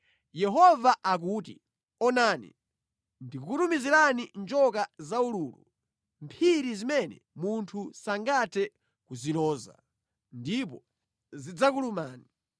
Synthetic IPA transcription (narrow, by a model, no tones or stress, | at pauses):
jɛɦɔvaʔak̬uːtḭ | ɔnanḭ | ndikukutumiziɾanind͡ʒɔkazauluːlṵ | mpʰiɾizimɛnɛ̰ | muntʰusaŋɡatʰɛ | kuzilɔːza̰ | ndip̬ɔ | zid͡zak̬ulumaːni